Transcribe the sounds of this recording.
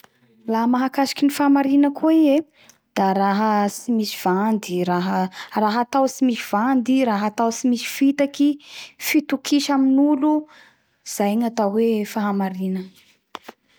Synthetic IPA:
laɦmaɦakasi̥kinifaamaɾinəkʰuie | d̪̥aɾaɦəsimisi̥v̥and̪iɾaɦəraɦat̪awsimisiv̥and̪iɾaɦat̪awsimisi̥fit̪akifit̪ukʰiʃaminulu | iz̥ajɲat̪awwefaɦamaɾinə

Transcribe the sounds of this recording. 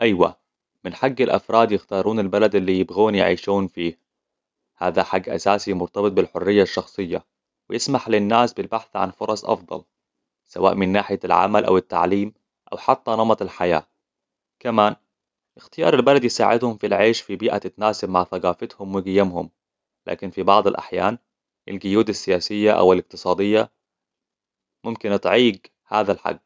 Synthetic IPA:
ʔajwa̰ | mɪnħaɡːalʔɑ̰fɾˤɑːd̪jɪxt̪ɑːɾˤuːnalbalad̪ʔɪlːiːjɪbɣuːnjɪ̰ʕḭːʃuːnfiː | haːðaħaɡːʔa̰saːsimʊɾt̪ɑbɨt̪̚ˤbɪlħʊrːɪjːaʃːɑxsˤɨjːa | wɪjɪsmaħlɪnːaːsbɪlbaħθʕa̰nfʊɾˤɑsˤʔɑ̰fd̪ˤɑ̰l | sawa̰ːʔmɪnːaːħɪjalʕa̰malʔa̰wɪt̪ːa̰ʕliːm | ʔa̰wħat̪ːanɑmɑt̪ˤalħaja̰ː | kamaːn | ʔɪxt̪ɪjɑ̰ːɾˤalbalad̪jɪsa̰ːʕɪd̪hʊmfilʕeːʃfibiːʔat̪ɪt̪naːsɪbmaʕθaɡaːfɪt̪hʊmwɪɡɪjːamhʊm | la̰ːkɪnfibɑʕd̪ˤalʔa̰ħjaːn | ʔa̰lɡʊjuːd̪asːɪjaːsɪjːaʔa̰wɪlɪq̚t̪ɨ̥sˤɑːd̪ɪjːa | mʊmkɪnʔɨt̪ˤʕiːɡ | haːðalħa̰ɡː

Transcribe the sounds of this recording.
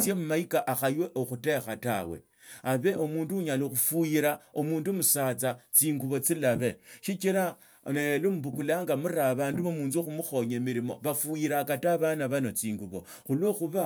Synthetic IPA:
t͡sjemumaikaʔaxajwe̞ʔoxute̞xata̰we̞̰ | aβe̞ʔomuːnduɲaloxufujiɾao̞muːndumusat͡sat͡siːŋɡuβo̞t͡silaβe̞ʃit͡ʃiɾa | nelumbukulaːŋɡamuɾaβaːnduβomuːnzoxumuxo̞ɲemiɾimo̞̰βafujiɾakataβanaβanot͡siːŋɡuβo̞ | xulwo̞xuβa

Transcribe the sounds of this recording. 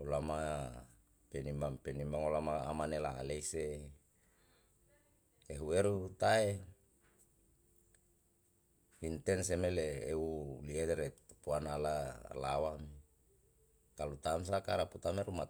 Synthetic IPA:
olama | penimbaŋpenimbaŋolamaa̰manelaleise | eɦueɾut̪ae | int̪ɛnsemeleeuliedeɾet̪upuanalala̰wami | kalut̪ams̬akaɾaput̪ameɾuma

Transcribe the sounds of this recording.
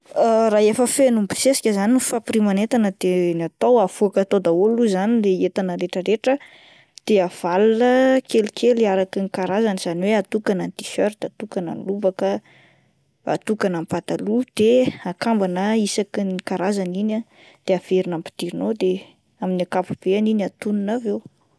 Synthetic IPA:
raefəfenumbi̥sesi̥kʲəzanifapiɾimanet̪anəd̪enat̪owav̥uakət̪od̪aoluzanileet̪anəɾeʈ͡ʂəɾeʈ͡ʂə | d̪̥eav̥alunəkelikʰeliaɾakinikaɾazaniz̥aniweat̪ukanant̪i̥ʃøɾt̪at̪ukana̰nluvakə | a̰t̪ukanampat̪alud̪̥eakambanəisakinikaɾazanina | d̪̥eav̥eɾinampi̥t̪iɾinod̪e | aminakapub̥eaninat̪ununavew

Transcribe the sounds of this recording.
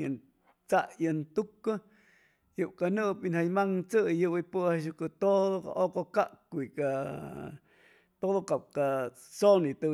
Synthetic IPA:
jən | t͡saʔjənt̪ukːɨ | juwkanɨʔpinhajmaŋt͡sɨjɨwipɨaʃ̬ukɨt̪oðoka̰ʔokokaʔkʷika | t̪oðokap̚ka | sonit̪ɨ

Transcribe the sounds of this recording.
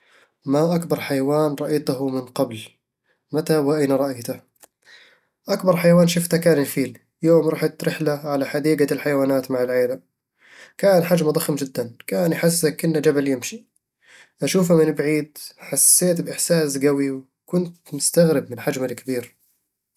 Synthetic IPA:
maʔakbɑɾˤħajawaːnɾˤɑʔajt̪ʊɦʊmɪnqɑbl | mat̪awaʔajnaɾˤɑʔajt̪a | ʔakbɑɾˤħajawaːnʃʊft̪akaːnɪfiːl | joːmɾˤɑħt̪ɾɪħlaʕalaħad̪iːɡalħajawaːnaːt̪maʕɪlʕeːlam | kaːnħad͡ʒmad̪ˤɑxmd͡ʒɪd̪ːankaːnjħɪs̬ːakʔɪnːad͡ʒabaljɪmʃi | ʔaʃuːfamɪnbaʕiːd̪ħasːeːt̪bʔɪħsaːsɡawiw | kʊnt̪mʊst̪aɣɾɪb̚mɪnħad͡ʒmɪlkbiːɾ

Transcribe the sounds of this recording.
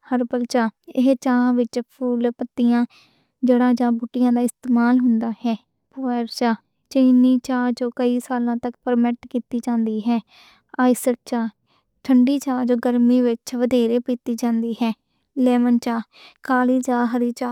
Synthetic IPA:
həɾpəlt͡ʃaːɪɦt͡ʃãːʋɪt͡ʃpʰuːlpət̪ːɪjãː | d͡ʒeːɽãːd͡ʒãːbuːʈːɪjãːd̪aːɪst̪eːmaːlɦʊnd̪aːhɛː | pʊɾt͡ʃaː | t͡ʃəniːt͡ʃaːd͡ʒoːkəiːsaːlãːt̪əkpəɾmɛʈkiːt̪iːd͡ʒãːnd̪iːɦɛː | aːɪsəɾ̚t͡ʃaː | ʈʰəɳɖiːt͡ʃaːd͡ʒoːɡəɾmiːʋɪt͡ʃʋəd̪eːɾeːpiːt̪iːd͡ʒãːnd̪iːɦɛː | lɛːʋənt͡ʃaː | kaːliːt͡ʃaːɦəɾiːt͡ʃaː

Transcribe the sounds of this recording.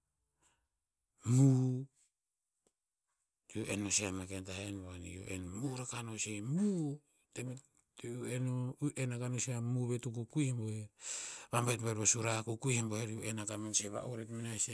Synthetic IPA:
mu | ioʔenːoseamakentahenboanḭjo̰ʔḛnmuɾakanosemu | temi | uenoʔenakanoseamuβetukukujhemboheβambajtbaeɾosuɾakukujhemboheɾiuʔenakamanseβa̰ʔoɾetminase

